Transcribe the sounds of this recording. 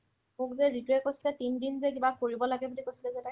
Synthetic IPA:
mukzɛɹitɔɛkojsilɛtindinzɛkibakoɹibɔlaɡɛbulikojsilɛzɛta

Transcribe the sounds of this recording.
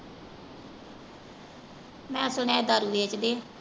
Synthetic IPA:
mɛ̃ːsʊɳãːd̪aːɾuːʋet͡ʃd̪eː

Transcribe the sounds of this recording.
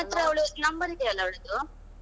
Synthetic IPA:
ɐt̪ɾɐɐwɭunɐmbɐɾid̪ɛɐlːɐɐwɭud̪u

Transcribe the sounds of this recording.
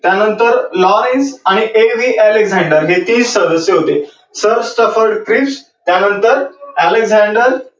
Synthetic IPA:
t̪janənt̪əɾlɔɾensaɽ̃iʔeʋiːʔæleɡzɛ̃ɳɖəɾɦet̪iːssəd̪əsjeɦot̪e | səɾsʈəfəɾɖkɾiːps | t̪janənt̪əɾæleɡzɛɳɖəɾ

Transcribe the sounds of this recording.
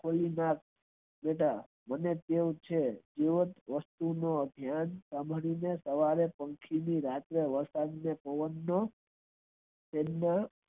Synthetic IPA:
kʰolinak̚ | meʈa | mənet̪eõt͡ʃʰed͡ʒiʋət̪ʋəst̪unoəb̪ʱjansambʱɽinesəʋaɾepə̃ŋkʰiniɾat̪ɾeʋəɾsad̪nepəʋənːo | t̪emna

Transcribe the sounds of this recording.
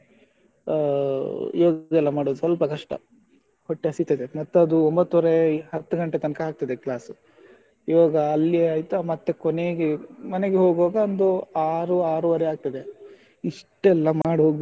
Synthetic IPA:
ḭʋaːɡɐɛlːɐmaːɽoːd̪usɐlpɐkɐʂʈɐ̰ | hoʈːeɐsit̪ɐd̪emɐt̪ːɐd̪uombɐt̪ːɔɾeɦɐt̪ːuɡɐɳʈet̪ɐnkɐɦaːk̚t̪ɐd̪eklaːsu | iʋaːɡɐːlːijeaːjt̪amɐt̪ːekone̞ːɡemɐneɡeɦo̞ːɡoːɡɐond̪oaːɾuaːɾuʋɐɾeaːɡ̚t̪ɐd̪e | iʂʈɛlːɐmaːɽɦoːɡ̪

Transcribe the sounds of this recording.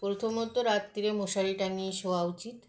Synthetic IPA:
pɾot̪ʰomot̪oɾat̪ːiɾemoʃalʈaniʃowaut͡ɕit̪

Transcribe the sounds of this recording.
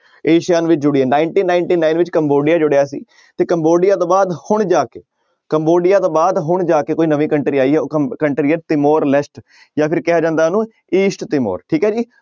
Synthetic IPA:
eːʃɪjaːnʋɪt͡ʃd͡ʒʊɽiɛːnaːɪɳʈiːnaːɪɳʈiːnaːɪnʋɪt͡ʃkəmboːɖɪjaːd͡ʒʊɽejaːsḭː | t̪eːkəmboːɖɪjaːt̪õːbaːd̪hʊɳd͡ʒaːkeː | kəmboːɖɪjaːt̪õːbaːd̪ɦʊɳd͡ʒaːkeːkoːiːnəʋĩːkəɳʈɾiːaːiːɦɛːoːkəɳʈɾiːɦɛːt̪ɪmoːɾlɛsʈ | jãːpʰɪɾkɛaːd͡ʒãːnd̪aːnũː | iːsʈt̪ɪmo̰ːɾʈʰiːkɦɛːd͡ʒiː

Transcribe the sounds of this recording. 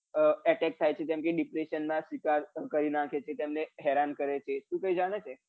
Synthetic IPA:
əɛʈɛk̚t̪ʰajt͡ʃʰet̪jãmkeɖipɾeʃənmãsikaɾkəɾinakʰet͡ʃʰet̪emneɦɛɾankəɾet͡ʃʰeʃũkəid͡ʒaɽ̃et͡ʃʰe

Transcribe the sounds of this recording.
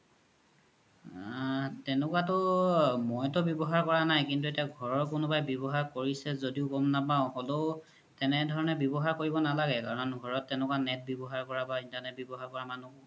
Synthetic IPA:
tɛnʊkwatɔmɔjtɔbjɔbɔɦaɹkɔɹanajkintuetiaɡʱɔɹɔɹkʊnʊbajbɔbɔɦaɹkoɹisɛzodiʊkɔmnapaʊ̃hɔlo | tɛnɛdʱɔɹɔnɛbjɔbɔɦaɹkoɹibɔnalaɡɛkaɹɔnɡʱɔɹɔtːɛnʊkwanɛt̚bjɔbɔɦaɹkɔɹabaintanɛt̚bjɔbɔɦaɹkɔɹamanu

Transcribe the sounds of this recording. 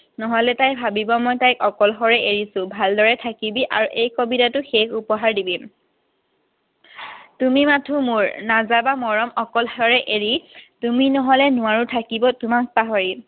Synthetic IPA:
nɔɦɔlɛtajbʱabibɔmɔjtajkɔkɔlxɔɹɛʔeɹisʊ̃bʱaldɔɹɛtʰakibiʔa̰ɹuʔejkobitatʊxekupɔɦaɹdibi | tumimatʰumʊɹnazabamɔɹɔmɔkɔlxɔɹɛʔeɹituminɔɦɔlɛnʊwaɹutʰakibɔtʊmak̚paɦɔɹi

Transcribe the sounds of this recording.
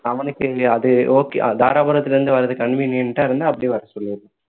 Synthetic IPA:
ɐʋɐnɯkːɯɐðɯoːkd̪aːɾaːbɐɾɐt̪ːɪlɐɾɯnd̪ɯʋɐɾɐðɯkɐɳʋiːnɪjɐnʈːaːɪɾɯnd̪ɯɐpːɐɽiʋɐɾɐsɔlːɪɾðɯ

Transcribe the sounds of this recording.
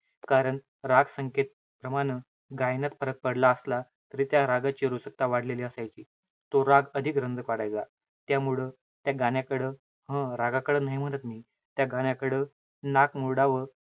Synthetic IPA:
kaɾəɳ | ɾaɡsəŋket̪̚ | pɾəmaɽ̃ə | ɡajnat̪pəɾək̚pəɽlaəsla | t̪əɾiːt̪jaɾaɡat͡ɕiɾusək̚t̪aʋaɽ̤leliəsajt͡ɕiː | t̪oɾaɡəd̪ʱikɾənd͡zəkʋaɽajd͡za | t̪jamuɭə | t̪jaɡanjakəɽə | ɦə̃ɾaɡakəɽəːnaɦim̤əɽ̃ət̪miː | t̪jaɡaɳjakəɽə | nakmuɭɽaʋə

